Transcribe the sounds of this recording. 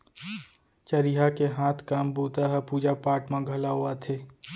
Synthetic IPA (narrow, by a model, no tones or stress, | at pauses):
t͡ʃəɾɪɦakeɦaːt̪ʰkaːmbuːt̪aɦɛpuːd͡ʒapaːʈmãɡʱɐlaɦʊat̪ʰeː